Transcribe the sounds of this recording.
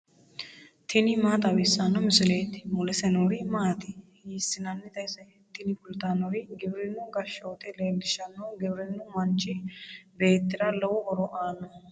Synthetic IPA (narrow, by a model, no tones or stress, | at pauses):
t̪ʰɪnɪmaːt̪ɐwɪsɐnːɔmʊsɪleːt̪ɪ̥mʊlɛsɛnoːɾɪmaːt̪ɪ | hiːsːɪnɐnːɪt̪ɐjsɐjɛt̪ːɪnɪkʊlt̪anɔɾɪɡɪbɾɪnːʊɡɐʃoːt̪ɛleːld̪ɪʃɐnːɔɡɪbɾɪnːʊmɐnt͡ʃːɪbeːt̪ːɪɾɐlɐwʊʔɔɾɔʔaːnɔ